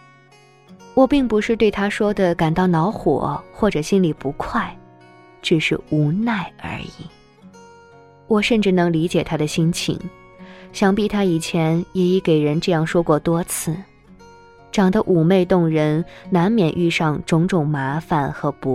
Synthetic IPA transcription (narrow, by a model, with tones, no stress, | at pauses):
wɔ˨˩pi˥˩ŋpu˧˥ʂɻ̩˥˧t̪we˥˩ɪt̪ʰa˥ʂwɔ˥d̪ə˨ka˨˩nt̪ɑ˥˩ʊnɑ˧˥ʊxwɔ̰˨˩˦xwɔ˥˩ʈ͡ʂɤ˨˩ɕi˥nli˨˩pu˧˥kʰwa˥˩ɪ | ʈ͡ʂ̩˥˩ʂɻ̩˥˩u˧˥na˥˩ɪə̰˞˧˥i˨˩˦ | wɔ˨˩ʂə˥˧nʈ͡ʂɻ̩˥˩nɤ˧˥ŋli˧˥t͡ɕjɛ˨˩t̪ʰa˥d̪ə˨ɕi˥nt͡ɕʰḭ˧˩˦ŋ | ɕjɑ˥ŋpi˥˩t̪ʰa˥i˨˩t͡ɕʰjɛ˧˥njɛ˨˩i˧˥˩ke˨˩ɪɻə˧˥nʈ͡ʂɤ˥˧jɑ˥˩ŋʂwɔ˥kwɔ˥˩t̪wɔ˥t͡sʰɹ̩˥˩ | ʈ͡ʂɑ˨˩ŋd̪ə˦ʔu˨˩me˥˧ɪt̪ʊ˥˩ŋɻə˧˥nna˧˥nmjɛ˨˩nʔy˥˧ʂɑ˥˩ŋʈ͡ʂʊ˧˥ŋʈ͡ʂʊ˨˩ŋma˧˥fa˨˩nxɤ˧˥pu˧˥